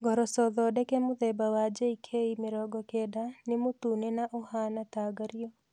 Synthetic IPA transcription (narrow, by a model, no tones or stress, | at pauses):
ɡʱɔɾɔsɔðɔdɛkɛmuðɛbawad͡ʒeikʰeimɪɾɔɡɔkɛdanɪmut̪unenaʔohanat̪aːɡaɾijɔ